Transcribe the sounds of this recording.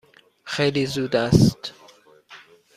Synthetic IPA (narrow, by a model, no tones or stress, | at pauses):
xejliːzuːd̪æst̪